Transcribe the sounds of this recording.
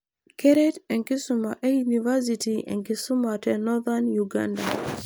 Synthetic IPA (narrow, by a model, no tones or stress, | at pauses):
kɛɾɛtɛŋkisumaʔɛjunivas̬itiʔɛ̰ŋkisumatɛnɔðanjuɡa̰nda